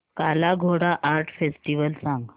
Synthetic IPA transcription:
kalaɡʱoɽaʔaɾʈʰfesʈiʋəlsãŋɡ

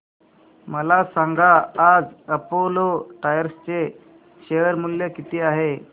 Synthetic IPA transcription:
məlasãŋɡʱaːd͡zəpoloʈajəɾst͡se | ɕeəɾmuljekit̪ʰiːaɦe

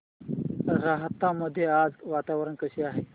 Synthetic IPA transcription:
ɾaɦət̪ːãːmɐd̪ʱjeaːzʋaːt̪aːwəɾənkəsiaːɦeː

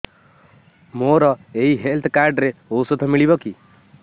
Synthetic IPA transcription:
moɾɔeɦiɦelt̪ʰkaɾɖɾeousot̪ʰɔmiɭibɔki

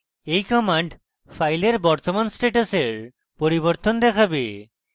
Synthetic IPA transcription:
ejkɔmaɳɖ | pʰajleɾbɔɾt̪omansʈeʈoseɾ | poɾiboɾt̪ond̪ɛkʰabe

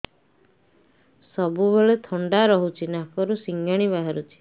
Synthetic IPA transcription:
sɔbubeɭet̪ʰɔɳɖaɾɔɦut͡ʃʰinakɔɾusiŋɡaɽ̃iβaɦaɾut͡ʃʰi̥

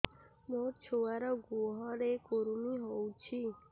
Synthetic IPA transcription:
mot͡ʃʰoʋaɾɔɡuɦɔɾekoɾuniɦɔwt͡ʃʰi

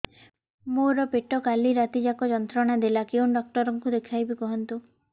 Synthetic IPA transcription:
moɾɔpeʈɔkaliɾat̪id͡ʒakɔd͡ʒɔnt̪ɾɔɽ̃ad̪ilakeunɖɔk̚ʈɔɾɔŋkud̪ekʰajbikɔɦɔnt̪u

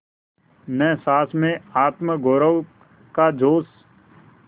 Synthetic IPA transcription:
nɛːsaːsmẽaːt̪məɡoːɾəw | kaːd͡ʒoːs

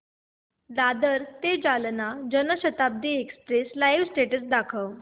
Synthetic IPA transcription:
d̪ad̪əɾt̪ed͡ʑalnad͡ʑənəɕət̪ab̚d̪iekspɾeslajʋsʈeʈəsd̪akʰəʋ

